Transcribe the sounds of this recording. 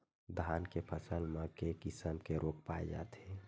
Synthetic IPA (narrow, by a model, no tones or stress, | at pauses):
d̪ʱaːnkepʰəsəlmẽkekɪsəmkeɾʔoːk̚paːed͡ʒa̰ːt̪eː